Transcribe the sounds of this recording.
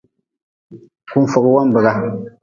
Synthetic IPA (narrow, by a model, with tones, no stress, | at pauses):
ku˦n˦fɔ˨ɣwa˦m˦bə˨ɡa˦